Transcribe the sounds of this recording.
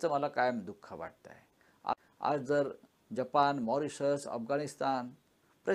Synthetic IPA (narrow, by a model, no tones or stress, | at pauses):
t͡səməlakajəmd̪ukʰːaʋa̰ʈ̚t̪a̰e | a̰ | a̰d͡zd͡zəɾ | d͡ʑapanmɔɾisəsə̰fɡaɽist̪an | pɾə